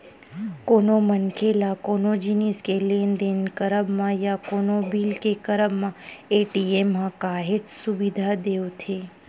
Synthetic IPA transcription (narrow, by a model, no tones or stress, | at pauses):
konomənkʰelakonod͡ʒiniskelend̪enkəɾəbmãjakonobilkekəɾəbmãeʈiemːãkaɦed͡ʒsuʋid̪ʱad̪ewot̪ʰe